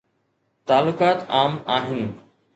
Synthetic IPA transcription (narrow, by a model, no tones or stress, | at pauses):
t̪aːlːʊkaːt̪aːmaːɦɪn